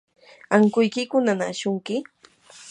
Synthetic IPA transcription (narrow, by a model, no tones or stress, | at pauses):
aŋkʊjkɪkʊnanaːʃʊŋkɪ